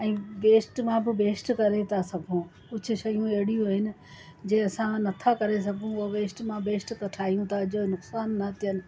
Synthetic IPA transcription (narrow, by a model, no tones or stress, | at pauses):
ɛ̃ːʋeːsʈmãbɪbeːsʈkɐɾet̪ʰasɐbʱũ | kʊt͡ɕʰʊ̆ʃɐjũeɦɪɽijũɦɪnɪ̆ | d͡ʑẽːɐsãnɐt̪ʰakɐɾes̬ɐɡʱũʋeːsʈmãbeːsʈkɐʈʰaːɦijũt̪ʰad͡ʑonʊksaːnːɐt̪ʰijənɪ̆